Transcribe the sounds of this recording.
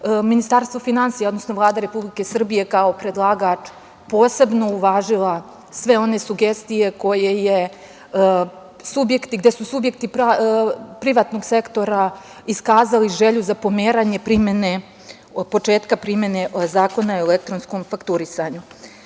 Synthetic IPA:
minist̪aːɾst̪ʋofinansijaod̪nosno̞vlˠaːd̪aɾe̞publike̞sr̩bije̞kao̞pɾe̞d̪lˠaːɡat͡ʂ | po̞ːse̞bno̞uʋaːʒilˠa | sʋe̞o̞ne̞suɡe̞st̪ije̞ko̞je̞je̞ | subje̞kt̪iɡd̪e̞susubje̞kt̪ipɾapɾiʋaːt̪no̞ɡse̞kt̪o̞ɾa | iskaːzaliʒe̞ʎuzapo̞meːɾaɲe̞pɾimje̞ne̞ | po̞t͡ʂeːt̪kapɾimje̞ne̞zaːko̞naielek̚t̪ɾo̞nsko̞mfakt̪uɾisaɲu

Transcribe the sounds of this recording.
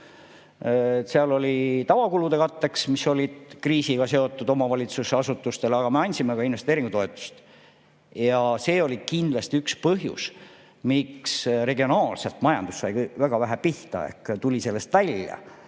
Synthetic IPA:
seɑlo̞lʲit̪ɑvɑkulud̪̥e̞kɑt̪ːe̞ksmiso̞lʲid̪̥kriːsiɡ̥ɑse̞o̞t̪ːˑud̪o̞mɑvɑlʲit̪suseɑsut̪ːˑust̪e̞leɑɡ̥ɑme̞ɑnʲsime̞kɑinvest̪eːɾiŋɡ̥ut̪o̞et̪ːˑu̥st̪ | jɑse̞ːo̞lʲikind̪lɑst̪iykspɤɦjṵs | miksre̞ɡio̞nɑːlse̞lt̪mɑjɑ̰nd̪̥usːɑjkvæɡ̥ɑvæɦæpiht̪ɑ̰e̞̰hkt̪ulʲise̞lːe̞st̪vælʲjɑ̰

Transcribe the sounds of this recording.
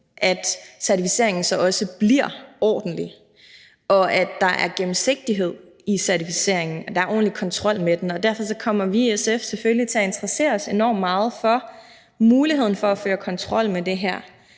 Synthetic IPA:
ʔæd̥sæɐt͡sʰifise̝̰ɐ̰e̝ŋn̩sɒ̽ɒ̽səb̥liɐ̰ɒ̰ːd̥n̩li | ʔɒ̽ʔæd̥ːɑ̈ʔæɐɡ̥em̩se̝ɡ̥̚d̥iɦe̝ð̞̰ˠ | isæɐt͡sʰifise̝̰ɐ̰e̝ŋn̩ɒd̥ɑ̈æɐɒ̰ːn̩likʰɒ̽nt͡sʰʁɒ̽l̰med̥enɒ̽d̥æɐfɒ̽sɒ̽kʰɒ̽m̰ɐʋiesefseføllit͡sʰe̝æe̝nd̥ʁɐse̝̰ːɐɒse̝nɒ̰ːmːɑ̈ːð̞̩ˠfɒ̽ | muːliɦe̝ð̞̰ˠn̩fɒ̽æføːɐkʰɒ̽nt͡sʰʁɒ̽l̰med̥e̝ɦæɐ̰

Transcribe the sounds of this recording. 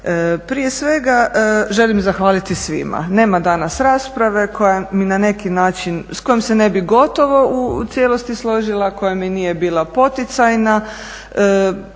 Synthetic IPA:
əpɾije̞sʋe̞ɡaʒe̞limzaxʋaːlit̪isʋḭma̰ne̞ːmad̪anasɾaːspɾaʋe̞ko̞jaminane̞kinaːt͡ʃinsko̞jmse̞ne̞biɡo̞t̪o̞ʋo̞ʔut̪sjeːlo̞st̪islˠo̞ʒilˠako̞jaminije̞biːlˠapo̞t̪it̪sajna | ə

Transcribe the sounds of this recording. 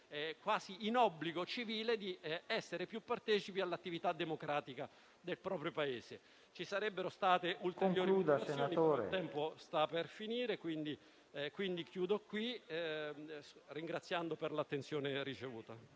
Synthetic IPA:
ɛkwaːziːnɔbːliɡot͡ʃiviːled̪iɛsːeɾepjupːart̪ɛːt͡ʃipialːat̪ːivit̪ad̪ːemokɾaːt̪ika | d̪elpɾɔːpɾjopaeːse | t͡ʃisaɾɛbːeɾost̪aːt̪eʔultk̪eoŋjoːɾliuːd̪asenaioːɾḛt̪ɛmpost̪aperfiniːɾekwind̪i | kwind̪ikjuːd̪okwi | riŋɡɾat̪sːjand̪operlat̪ːent̪sjoːnerit͡ʃevuːt̪a̰

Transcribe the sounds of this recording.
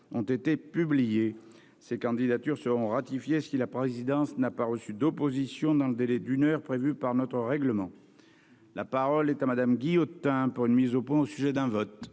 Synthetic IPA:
ɔ̃t̪et̪epyblije | sekɑ̃d̪id̪at̪yʁsəʁɔ̃ʁat̪ifjessilapχezid̪ɑ̃snapaʁəsyd̪opozisjɔ̃d̪ɑ̃ləd̪elɛd̪ynœʁpχevypaʁnɔt̪χəʁɛɡləmɑ̃ | lʔapaʁɔlɛt̪amad̪amɡʲijot̪ɛ̃puʁynmizopwɛ̃osyʒɛd̪ɛ̃vɔt̪

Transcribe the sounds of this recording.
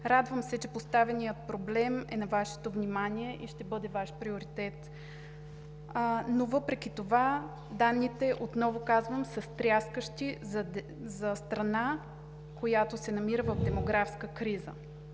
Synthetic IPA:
ɾad̪vəmsɛt͡ʃɛpost̪avɛnijət̪̚pɾoblɛmɛnɐvaʃɛ̥t̪ovnimaniɛʔiʃt̪ɛbɤd̪ɛvaʃpɾioɾit̪ɛt̪ | novɤpɾɛkʲit̪ova | d̪anːit̪ɛʔot̪nɔvokazvəmsəst̪ɾʲjaskəʃt̪i | zɐst̪ɾɐna | kojat̪osɛnɐmiɾəvəvd̪ɛmoɡɾafskəkɾizə̰

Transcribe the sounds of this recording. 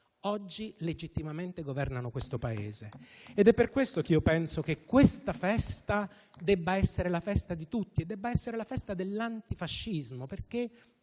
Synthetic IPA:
ɔd͡ʒːiled͡ʒit̪ːimament̪eɡovɛrnanokwest̪opaḛːzeːd̪ɛpːerkwest̪okiopɛnsok̟ekːwest̪afɛst̪a | d̪ɛbːaɛsːeɾelafɛst̪ad̪it̪ut̪ːied̪ːɛbːaɛsːeɾelafɛst̪ad̪elːant̪ifaʃːizmoperke

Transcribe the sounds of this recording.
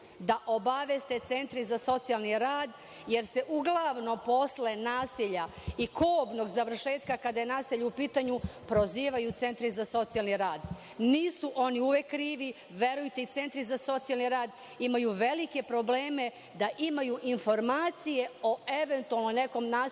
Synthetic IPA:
d̪aʔobaʋest̪e̞t̪se̞nt̪ɾizaso̞t̪sijalˠniɾaːd̪ | je̞ɾse̞ʔuɡlˠaʋno̞mpo̞sle̞naːsiʎaikʰoːbno̞ɡzaʋr̩ʃe̞ːt̪kakad̪ajenaːseʎuupiːt̪aɲupɾo̞ziːʋajut̪se̞nt̪ɾizaso̞t̪sijalniɾaːd̪ | niːsuʔo̞niuʋekːɾiːʋi | ʋeɾujt̪eit̪se̞nt̪ɾizaso̞t̪sijalniɾaːd̪ | imajuʋe̞like̞pɾo̞bleːme̞ | d̪aʔimajuʔinfo̞ɾmaːt̪sije̞oeʋe̞nt̪ualˠnone̞ko̞mnaː

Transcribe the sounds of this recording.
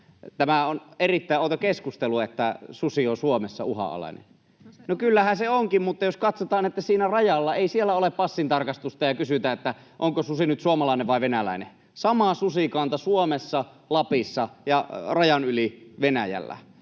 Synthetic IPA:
t̪æmæonerit̪ːæˑiʔoːˑt̪okeskust̪eluet̪ːæsusiosuomesːɑ̰uhɑ̰ɑ̰lɑ̰ˑinḛn | nokylːæhænseoŋkimmut̪ːɑjoskɑt̪sot̪ɑːnet̪ːæsiːnærɑjɑlːɑeˑisielːæoleppɑsːint̪ɑrkɑst̪ust̪ɑjɑkysyt̪æːet̪ːæ | ʔoŋkosusinyt̪suomɑlɑˑineʋʋɑˑiʋenælæ̰ˑine | sɑmɑsusikɑnt̪ɑsuomesːɑ | lɑpisːɑjɑrɑjɑnyliʋenæjæ̰lːæ̰

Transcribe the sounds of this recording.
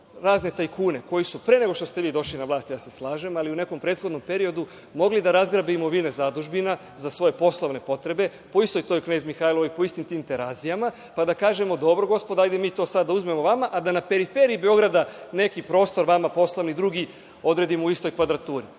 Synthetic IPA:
ɾaːzne̞t̪ajkuːne̞ko̞jisupɾe̞neɡo̞ʃt̪ost̪e̞ʋiːd̪o̞ʃlinaʋlˠaːst̪jaːseslˠaːʒe̞maliune̞ko̞mpɾe̞ːt̪xo̞d̪no̞mpe̞ɾio̞d̪u | mo̞ɡlid̪aɾazɡɾabimoʋine̞zad̪uʒbina | zasʋo̞je̞po̞slˠoʋne̞po̞t̪ɾe̞be̞ | po̞ist̪o̞jt̪ojkne̞ːzmixaːjloojpo̞ist̪imt̪iːmt̪e̞ɾaːzijama | pad̪akaːʒe̞mo̞d̪o̞bɾoɡo̞spod̪ajd̪emiːt̪o̞ːsad̪ːauzme̞mo̞ʋamaʔad̪anape̞ɾife̞ɾiibeo̞ɡɾad̪ane̞kipɾo̞ːst̪o̞ɾʋamapo̞slˠoʋnid̪ɾuɡi | o̞d̪ɾe̞d̪imouist̪o̞jkʋad̪ɾat̪uːɾi

